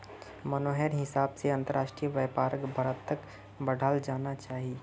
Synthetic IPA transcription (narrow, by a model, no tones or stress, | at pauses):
mɐnoːɦɛɾɦɪsaːbseɐ̃nt̪əɾaːʃʈɾijʋɛːpaːɾəkbʱəɾət̪ːək | bəɽ̤ʱaːld͡ʒaːnat͡ʃaːɦie